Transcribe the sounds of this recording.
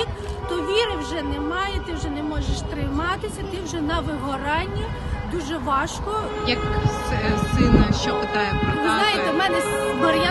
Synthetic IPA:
t̪ɔʋʲiɾɪwʒɛnɛmɑjɛt̪ɪwʒɛnɛmɔʒeʃt̪ɾɪmɑt̪ɪsʲɐt̪ɪwʒɛnɐʋɪɦɔɾɑnʲːi | d̪uʒɛʋɑʃkɔ | jɐk | sɪnɐʃt͡ʃɔpɪt̪ɑjɛpɐʋʲaɑjɪt̪ɛmɛnɛbɐɾʲja

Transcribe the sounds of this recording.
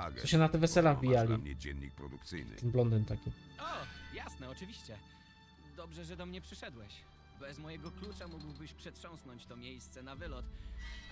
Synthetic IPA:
ɡ̪ɔɕɛnat̪ɛvɛsɛlaɣbʲijalʲiɲʲɛ̰d͡ʑɛ̰nʲːḭk̚pɾɔ̰d̪ukt̪sɘ̰jnɘ̰ɛnblɔnd̪ɘnt̪akʲi | ɔjasnɛɔt͡ʂɘvʲiɕt͡ɕɛ | d̪ɔbʐɛʐɛd̪ɔmɲɛpʂɘʂɛd̪wɛɕ | bɛzmɔjɛɡɔklut͡ʂamuɡwbɘɕpʂɛtʂɔ̃w̃snɔɲt͡ɕt̪ɔmʲjejst̪sɛnavɘlɔt̪

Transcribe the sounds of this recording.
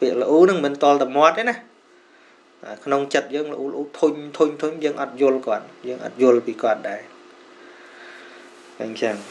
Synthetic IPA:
piəʔlə̆ʔuːnɨŋmɨnt̪ŏəlt̪amoət̪̚ːeːnah | ʔa̰kʰnoŋt͡ɕət̪̚jəːŋləʔuːləʔuːt̪ʰuɲt̪ʰuɲt̪ʰʊɲjəːŋʔɑt̪̚jʊ̆əlkŏət̪̚jəːŋʔɑ̰t̪̚jʊ̆əlpiːkŏət̪̚ɗaɛ | ʔaːŋt͡ɕaŋ

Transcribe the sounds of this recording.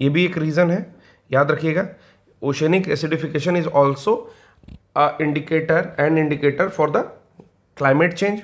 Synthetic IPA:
jeːbʱieːkɾiːzənɦɛ | jaːd̪ɾɐkʰieːɡaː | oːʃeːnɪkɛsɪɖɪfɪkeːʃə̃nɪzɔːlsoː | ɪ̃ɳɖɪkeːʈəɾɛ̃ɳɖɪ̃ɳɖɪkeːʈəɾfɔːɾd̪ə | klaːɪmeʈt͡ʃẽːnd͡ʒ

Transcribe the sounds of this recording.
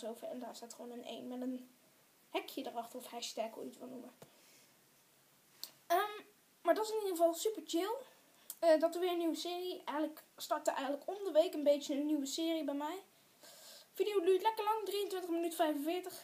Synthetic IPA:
sowvəɛndaːɪsatχʋoːnənḛjnmɛtən | hɛkʰjədərɑxtərɔfhɛstɛko̰itʋɪlˠnumə | əm | maːɹdɔtɪsɪnidəχəvɑlˠsypəɹt͡ʃɪlˠ | ədɑtəʋɪːɹənːywəsɪːriɛjxənləkstɑɹtəʔɛjχən̩tləkɔmdəʋejkənbejtjəənːyʋəsɪːribɛjmɛj | fidiowlytlɛkəɹlɑŋdrijəntʋɪntəχmənytfɛjfənvɪːɹtəχ

